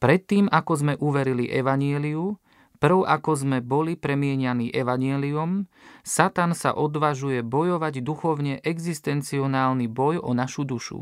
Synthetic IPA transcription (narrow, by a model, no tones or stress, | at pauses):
pɾɛt̪ːiːmakɔzmɛʔuʋɛɾiliʔɛʋaɲɪɛliu | pr̩ʊakɔzmɛbɔlipɾɛmɪɛɲaniːʔɛʋaɲɪɛliumsat̪ansa̰ʔɔd̪ʋaʒujɛbɔjɔʋaɟd̪uxɔʊɲɛʔɛɡzist̪ɛnt͡siɔnaːlnibɔjɔnaʃud̪uʃṵ